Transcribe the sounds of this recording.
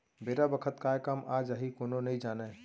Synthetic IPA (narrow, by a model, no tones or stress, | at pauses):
beːɾabəkʰət̪kaːjkəmaːd͡ʒaɦikoːnonɐɦĩd͡ʒaːneː